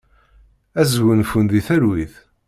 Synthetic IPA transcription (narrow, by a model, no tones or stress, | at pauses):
æzwənfund̪iθæɾwiθ